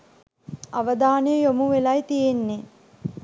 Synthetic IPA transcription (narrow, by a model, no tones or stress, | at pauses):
aʋəd̪aːnejəjomuʋelajt̪ijenːe